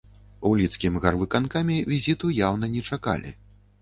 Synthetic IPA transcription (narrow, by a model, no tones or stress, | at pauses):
ulʲit̪skʲimɣarvɨkankamʲivʲizʲit̪ujawnɐnʲɛt͡ʂaka̰lʲḭ